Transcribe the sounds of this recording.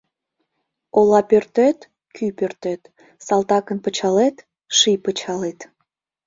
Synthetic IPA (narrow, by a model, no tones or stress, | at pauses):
olɑpørt̪et̪ | kʰypørt̪et̪ | sɑlt̪ɑkənpət͡ɕɑlet̪ | ʃipət͡ɕɑlet̪